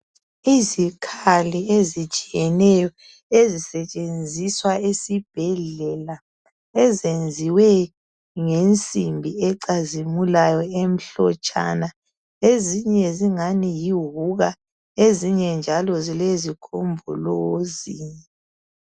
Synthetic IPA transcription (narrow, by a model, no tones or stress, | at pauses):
izikʰaliezit͡ʃʼijɛnɛjɔ | ezisɛt͡ʃʼend͡zʱiswaesib̥ʱɛɮɛla | ɛzend͡zʱiwɛ | ŋent͡sʼimbʱiɛǀazimulajɔem̩ɬɔ̰t͡ʃʼa̰na | eziɲɛziŋanijiɦuɣa | eziɲɛnd͡ʒʱalɔzilezikʰombʱuloːzi